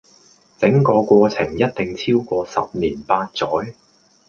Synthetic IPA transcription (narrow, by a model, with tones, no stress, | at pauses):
t͡sɪ˨˥ŋkɔː˧kʷɔː˧t͡sʰɪ˨˩ŋjɐ˥t̚t̪ɪ˨ŋt͡sʰiː˥wkʷɔː˧sɐ̰˨p̚niː˨˩npaː˧t̚t͡sɔː˨˥j